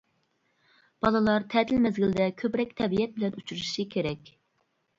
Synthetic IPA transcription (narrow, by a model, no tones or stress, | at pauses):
b̥ɑlˠɨlˠɑɾt̪ʰɛt̪ʰɪlmɛzɡʲɪld̪ɛkʲʰøpɾɛk̚ʲt̪ʰɛbijɛt̪̚bɪlɛnut͡ʃʰuɾʃikʲʰeɾɛkʲ